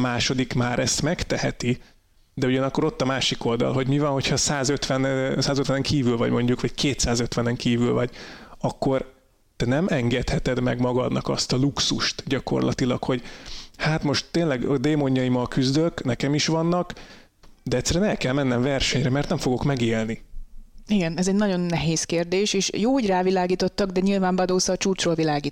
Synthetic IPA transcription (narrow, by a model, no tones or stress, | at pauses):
maːʃo̞d̪ikmaːɾɛst̪mɛkt̪ɛhɛt̪i | d̪ɛuɟɒnɒkːo̞ɾo̞t̪ːɒmaːʃiko̞ld̪ɒ̰lɦo̞ɟmivɒnho̞cʰhɒsaːzøt̪ʋɛnsaːzøt̪ʋɛnɛŋkʰiːvylvɒ̰ɟmo̞ɲɟukʋɒɟkʰeːt̪saːzø̞t̪ʋɛnɛŋkiːvylvɒɟɒkːo̞r | t̪ɛnɛmʔɛŋɡɛt̪hɛt̪ɛd̪mɛɡmɒɡɒd̪nɒkɒst̪ɒluksuʃt̪ɟɒko̞̰rlɒ̰t̪ilɒkho̞ɟhaːt̪mo̞ʃt̪ːeːnlɛɡɒd̪eːmo̞ɲːɒjimɒlkyzd̪øknɛkɛmiʃʋɒnːɒk | d̪ɛɛct̪sːɛɾyɛnɛlkɛlmɛnːɛɱvɛrʃɛɲrɛmɛrt̪nɛɱfo̞ɡo̞kmɛɡeːlni | iɡɛnɛzɛɟnɒɟo̞nːɛɦeːskeːrd̪eːʃeːʃjoːhoɟraːvilaːɡiːt̪o̞t̪ːɒɡd̪ɛɲilvaːɱbɒd̪oːsɒt͡ʃuːrt͡ʃroːlvilaːɡiː